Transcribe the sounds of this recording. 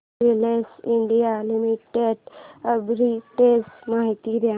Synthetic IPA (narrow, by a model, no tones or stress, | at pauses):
ɾilesɪɳɖijalimiʈeɖəbɾiʈesmaːɦit̪iɾa